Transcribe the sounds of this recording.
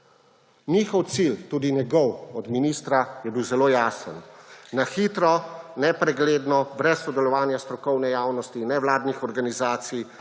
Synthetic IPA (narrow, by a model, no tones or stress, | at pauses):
niːxɔwt̪silt̪uːd̪inɛɡɔwɔd̪miniːst̪ɾajɛbiwzɛloːjaːsə̰nnaxiːt̪ɾɔnɛpɾɛɡleːd̪nɔbɾɛsːɔd̪ɛlɔʋaːnjast̪ɾɔkɔwnɛjaːwnɔst̪inɛwlaːd̪nixɔɾɡanizaːt̪sij